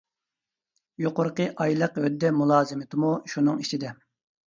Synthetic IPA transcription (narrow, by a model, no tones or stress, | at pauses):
joqʊɾqəʔɑjlˠəqɦød̪ːɛmulˠɑːzɨmɪt̪ʰɨmuʃunɨŋit͡ʃʰid̪ɛ